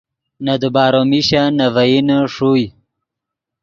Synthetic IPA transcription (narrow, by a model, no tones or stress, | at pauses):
nad̪ubaːɾomiɕanavajinʂuj